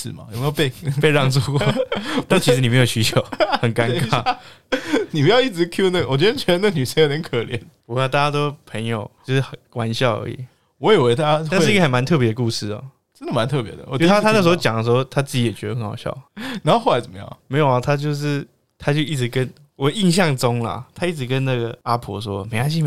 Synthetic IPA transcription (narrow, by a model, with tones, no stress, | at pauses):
sɻ̩˨˩ma̰˨jo˨˩me˧˥jo˧pe˥˧ɪpe˥˧ɪɑ˥˧ŋt͡su˥˧kwɔ˥˩t̪a˥˩t͡ɕʰi˧˥ɻ̩˧ni˨me˧ɪjo˨˩ʊɕy˧˥t͡ɕʰjo˨˦ʊxə˨˩nka˥˦ŋka˥˩ | ni˨˩pu˧˥jɑ˧i˥˩t͡sɻ̩˧˥kʰju˥nə˥˩ɡə˨wɔ˨˩t͡ɕɥɛ˧˥dt͡ɕʰɥɛ˥ə˧na˥˩ɡə˨ny˨˩ʂə˥ŋe˧˥nə˧˦ŋkʰə˨˩ljɛ̰˧˦npu˧˥a˧t̪a˥˩ja˥t̪o˥ʊpʰə˧˥njo˨˩ʊt͡ɕjo˥˧ʊʂɻ̩˥˩xkwa˧˦˥nɕjɑ˥˩ʊə̰˧˥ḭ˨˩ | wɔ˧˦i˨˩we˧˥ɪt̪ʰa˥a˥a˥˧n̩˥˩i˧ɡə˧xə˨˩nma˧˦nt̪ʰɤ˥˩pjɛ˧˥d̪ə˧ku˥˧ʂɻ̩˥˩ɐ̰˨ | ʈ͡ʂə˥nd̪ə˨ma˧˦nt̪ʰɤ˥˩pjɛ̰˧˦d̪ə̰˨wɔ˨˩˥a˥t̪ʰa˦na˥˩ʂ̬̩˧˥o˥˧ʊt͡ɕɑ˨ŋdə˦ʂ̬̩˧˥xo˧ʊt̪ʰa˥t͡sɹ̩˥˩t͡ɕi˨˥jɛ˨˩t͡ɕɥɛ˧˦˥ə˧xə˧˦ŋxɑ˨˩ɕjɑ̰˥˩ʊna˧˦o˥˧xo˥˩la˧˥ɪt͡sə˨˩mə˦jɑ̰˥˩ŋme˧˥ɪjo˨˩ʊla˨˩t̪ʰa˥t͡ɕjo˥˧ʊʂ̬ɻ̩˥˩ | t̪ʰa˥t͡ɕjo˥˧ʊi˥˩ʈ͡ʂɻ̩˧˥kə˦n | wɔ˨˩˦i˥˧nɕ̬jɑ˥˩ŋʈ͡ʂo˥ŋlɐ̰˨t̪ʰa˥i˥˩ʈ͡ʂɻ̩˧˥kə˦nna˥˩ɡə̰˩a˦˥pʰɔ̰˧˥ʂwɔ˦˨me˧˥ɪa˥˧ɕ̬i˥˧˨m˧